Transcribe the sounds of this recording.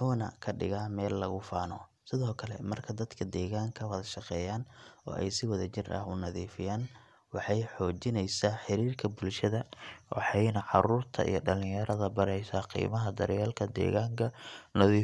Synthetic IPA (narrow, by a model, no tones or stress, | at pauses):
mħuːnɐ̰kʰɐɖɪɣaːmɛːlːɐɣʊfaːnɔ | sɪðɔːkʰɐlɛ̰mɐrkʰɐd̪ɐd̪kʰɐd̪ɛːɣaːŋkʰɐwɐðɐʃɑqɛːjaːnɔ̰ːʔɛ̰jsɪwɐðɐt͡ʃɪrʔɐ̰hʊnɐðiːfɪjaːn | wɑħɑjħɔːt͡ʃɪnɛjsaːħɪɾiːrkʰɐbʊlʃɐðɐwʔɑ̰ħɑjnɐʕɑɾuːrt̪ʰɐ̰ʔḭjɞɖɐlɪjɐɾʔɐðɐbɐɾɛjsaːqḭːmɐɦɐd̪ɐɾjaːlkʰɐd̪ɛ̰ːɣaːŋkʰɐnɐðiː